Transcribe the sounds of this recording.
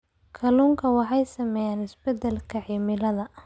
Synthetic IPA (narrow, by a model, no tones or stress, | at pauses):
kʰɐluːŋkʰɐwɑħɑjsɐmɛːjaːnɪsbɛd̪ɛlkʰɐʕimɪlɐðɐ